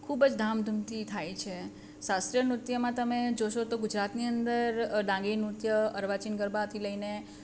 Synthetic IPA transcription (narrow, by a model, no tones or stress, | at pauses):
kʰubəd͡ʒd̪ʱamd̪ʱumt̪it̪ʰajt͡ʃʰe | sast̪ɾijənɾut̪jəmãt̪əmed͡ʒoʃot̪oɡʊd͡ʒɾat̪niənd̪əɾɖãŋɡinut̪jəəɾʋat͡ʃinɡəɾbat̪ʰiləine